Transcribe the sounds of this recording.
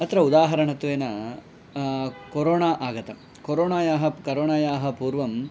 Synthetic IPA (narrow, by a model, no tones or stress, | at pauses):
ɐt̪ɾɐud̪aːɦɐɾɐɳɐt̪ʋeːnɐ | koɾoːɳaːʔaːɡɐt̪ɐm | koɾoːɳaːjaːɦɐkɐɾoːɳaːjaːɦɐpuːɾʋɐm